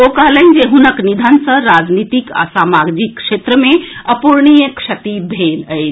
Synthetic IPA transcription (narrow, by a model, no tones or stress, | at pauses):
okaɦlənd͡ʒeɦunəknid̪ʱənsə̃ɾad͡ʒnit̪ika̰samaɡd͡ʒikːʂet̪ɾəmẽəpuɾɳ̃ijəkʂɐt̪ibʱeləjt͡ʃ